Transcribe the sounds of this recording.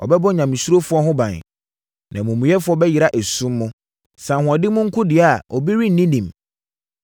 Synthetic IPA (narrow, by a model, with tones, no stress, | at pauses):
ɔ̰˨bɛ˦bɔ˦ɲã˨mĩ˨su˦ɾo˦fʊ˦ɔ˦ɦʊ̃˦bã˨n˨ | nã˨mũ˨mũ˨jɛ˦fʊ˦ɔ˦bɛ˦jɪ˨ɾa˦ʔæ˨sũ˦mːʊ̃˦ | sã˨ɦʊ̃˨a˨dɪ˦mʊ̃˦ŋ̩˦kʰʊ̃˦dɪ˨a˦˨ɔ˨bi˦ɾi˦n̩˦nĩ˦nĩ˨m